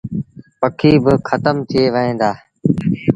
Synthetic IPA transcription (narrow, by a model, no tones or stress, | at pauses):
pəkʰiːbɪxʰət̪əmt̪ʰɪeːʋəɦẽːd̪aː